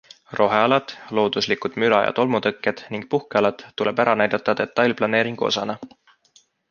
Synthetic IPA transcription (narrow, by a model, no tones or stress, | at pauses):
rʔo̞ɦeɑlɑd̪̥lo̞ːd̪̥uslikud̪̥mylɑjɑ̰t̪o̞lmut̪ɤkːed̪̥niŋɡ̥̚puhkeɑlɑd̪̥ːule̞̰bæɾɑnæjd̪̥ɑt̪ːˑɑd̪̥e̞t̪ːˑɑjlʲplɑne̞ːɾiŋɡ̥uo̞̰sɑnɑ